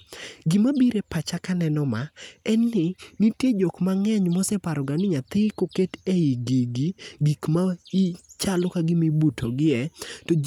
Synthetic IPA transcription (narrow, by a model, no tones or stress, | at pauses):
ɡɪmabiɾepat͡ʃakanɛnɔmaɛnːɪnitjed͡ʒɔkmaŋɛɲmɔsɛpaɾɔɡanɪɲat̪ɪkoketeiɡiɡiɡikmait͡ʃalɔkaɡɪmɪbutʰoɡɪɛto